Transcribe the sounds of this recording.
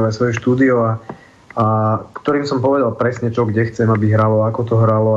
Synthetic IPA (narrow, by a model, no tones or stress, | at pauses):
lɛsʋɔjuʃt̪uːd̪iɔa | akt̪ɔɾiːmsɔmpɔʋɛd̪alpɾɛsɲɛt͡ʃɔɡɟɛxt͡sɛmabiɦɾalɔakɔt̪ɔɦɾalɔ